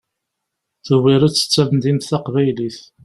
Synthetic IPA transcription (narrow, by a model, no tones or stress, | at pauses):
θəwiɾæt͡sːə̥t͡sːævənd̪int̪θaqvæjliθ